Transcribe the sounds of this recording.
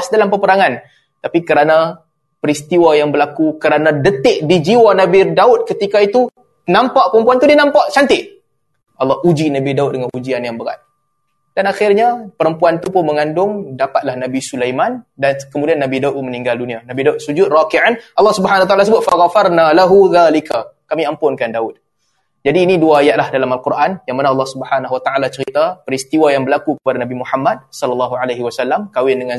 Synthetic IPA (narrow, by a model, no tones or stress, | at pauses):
sdalampəpəɾaŋan | t̪apikəɾana | pəɾist̪iwajaŋbəɾlakukəɾanãdət̪ɪʔ̚did͡ʒiwanabidaʊt̪̚kət̪ikait̪u | nãmpaʔpəɾəmpuant̪udinãmpaʔt͡ʃant̪ɪʔ | ʔɑlːɑhud͡ʒinabidaʊt̪̚dəŋanud͡ʒianjaŋbəɾa̰t̪̚ | d̥anaxɪrɲapəɾəmpuant̪upʊnməŋandʊŋdapat̪̚lahnãbisulajmandankəmudianːabidauʔmənĩŋɡaldunĩanabidaʊt̪̚sud͡ʒʊt̪̚rakiʕanʔɑlːɑhsubəɦanawat̪alasəbʊt̪̚faɣafarnalaɦuðalikakamiampʊnkandaʊt̪̚ | d͡ʒadiːniduaːjat̪̚lahdalamalkurʔanjaŋmanaɑlːɑhsubəħanaɦwat̪aalat͡ʃəɾit̪apəɾist̪iwajaŋbəlakukəpadanabimuħamːat̪̚sɔləlːaɦuʕalaɦiwasalːamkawɪndəŋãn